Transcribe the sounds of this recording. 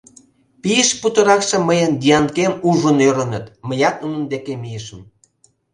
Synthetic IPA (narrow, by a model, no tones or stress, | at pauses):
pijəʃput̪ə̆ɾɑkʃĕməjənd̪ʲiɑnkemuʒə̆nøɾə̆nə̆t̪məjɑk̪̚nunə̆nd̪ekemijəʃə̆m